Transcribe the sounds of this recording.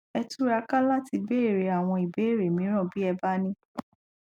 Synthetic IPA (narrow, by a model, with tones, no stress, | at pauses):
ɛ˧tu˦ɾa˧ka˦la˦ti˧be˦e˦˨ɾe˨a˨w̃ɔ̃˧i˨be˨˦e˦˨ɾe˨mĩ˨˦ɾ̃ã˦˨bi˦ɛ˧ba˦nĩ˦